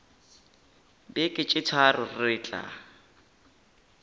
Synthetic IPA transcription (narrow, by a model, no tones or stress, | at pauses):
bɪkʼɪt͡ʃʼɪt͡sʰwarʊrɪːt͡ɬʼa̰